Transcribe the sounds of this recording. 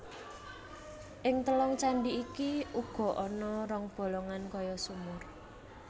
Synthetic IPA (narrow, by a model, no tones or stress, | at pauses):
ʔɪŋt̪əlɔŋt͡ʃaɳɖiikiuɡ̥ɔ̤ʔɔnɔɾɔŋb̥o̤lɔŋankɔjɔsumʊr